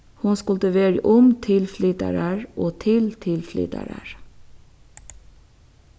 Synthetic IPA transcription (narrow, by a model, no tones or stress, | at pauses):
hʊnskʊlt̪əʋeːɾʔʊmt̪ʰɪlflʏːt̪ə̰ɾəɹʔoːt̪ʰɪlt̪ʰɪlfly̰ːt̪ə̰ɾə̰ɹ